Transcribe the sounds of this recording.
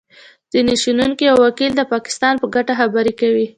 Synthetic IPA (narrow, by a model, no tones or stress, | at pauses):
z̥ineʃununkijawːakild̪əpɑkɪ̥st̪ɑnpəɡaʈaxabaɾekawi